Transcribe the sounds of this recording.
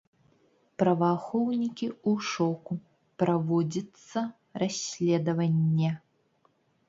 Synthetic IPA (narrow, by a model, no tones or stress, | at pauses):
pɾɐvaxɔwnʲikʲiuʂɔku | pɾavɔd͡zʲɐt̪sːɐ | rasʲlʲɛd̪ɐvɐnʲːɛ